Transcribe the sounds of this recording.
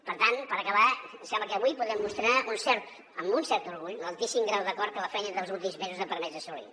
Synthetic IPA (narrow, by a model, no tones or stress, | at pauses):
pəɾt̪anpəɾəkəβasɛmbləkəβujpuðɾɛmːust̪ɾaunsɛɾt̪ | əmbunsɛɾt̪uɾɣuʎləlˠt̪isimɡɾawðəkɔɾt̪̚kələfɛjɲəðəlˠzulˠt̪imzmezuzəpəɾmɛzəsɔlḭ